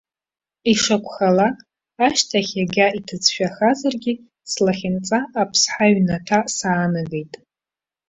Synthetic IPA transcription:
iʂakʷʰʼχalaː | ʃtʰaχʲaɡʲaitʰɨt͡sʰʃᶣaχazarɡʲɪ | slaχʲɪnt͡sʼaʔːpʰsħaɥnatʰasaːnaɡe̞jtʼ

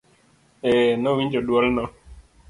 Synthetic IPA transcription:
ɛnɔwiɲd͡ʒodwɔlnɔ

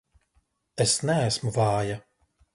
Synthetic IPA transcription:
esnæːsmuvɑːja

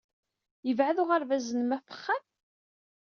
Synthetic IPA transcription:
jəvʕaðʊʁaɾvæzənmæfə̥χːam

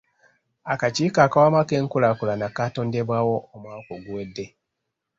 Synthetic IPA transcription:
akat͡ʃikakawamakeŋ̩kulakulanakatondebwawoomwakoɡuedːe

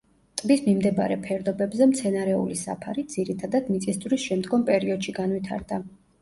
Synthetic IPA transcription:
t̪ʼbismimd̪ɛba̰ɾɛpʰɛɾd̪ɔbɛbzɛmt̪sʰɛnaɾɛṵlisa̰pʰaɾid̪z̥iɾit̪ʰad̪ad̪̥mit̪sʼisd̪zʼwɾisʃɛmd̪ɡɔmpʼɛɾiɔd̪̥ʃiɡanwit̪ʰa̰ɾd̪a

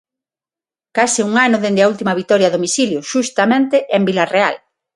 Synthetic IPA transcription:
kasɪuŋanʊðend̪eault̪imaβit̪ɔɾjaðomisiljʊʃust̪amẽnt̪eʔembilarea̰l

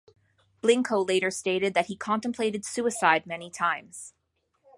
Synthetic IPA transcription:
b̥lɪ̃ŋkʰoʊleɪɾə˞steɪɾɨd̪̚ðɨt̚hikʰɑ̃ntmpʰl̥eɪɾɨd̥sʉɨsaɪd̚mɛnitʰãɪ̃mz̥

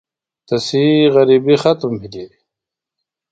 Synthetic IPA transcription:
t̪ɐsiɣɐɾibixɐt̪mbʱilidi

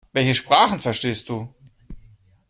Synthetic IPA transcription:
vɛlçəʃpʁ̥aːχn̩fɛɐʃteːst̚d̥uː

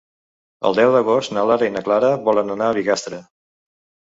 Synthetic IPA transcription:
ə̰lˠd̪ɛwd̪əɣost̪nəlaɾəinəklaɾəβɔlənd̪unaːβiɣast̪ɾə

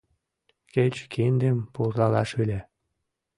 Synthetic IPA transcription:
ket͡ɕkʰind̪empurlɑlɑʃylʲe

